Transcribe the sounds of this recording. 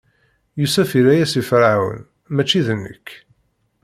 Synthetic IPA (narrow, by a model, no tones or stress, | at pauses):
jusæfiɾæjæsifɾawə̰n | mæt͡ʃːiðənːə̰kː